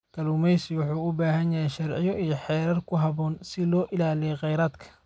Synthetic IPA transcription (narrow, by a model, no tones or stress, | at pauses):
kʰɐluːmɛjsɪwʊħuːʊbaːɦɐnjɐhɛjʃɐrʕɪ̰jɔʔijɔħɛːɾɐrkʰʊɦɐβɔːnsɪlɔːʔɪlaːlijɛqɛjɾaːd̪kʰɐ̥